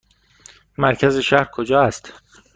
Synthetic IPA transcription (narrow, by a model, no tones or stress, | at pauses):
mæɾcʰæze̞ʃæhɾkʰod͡ʒɒːæst̪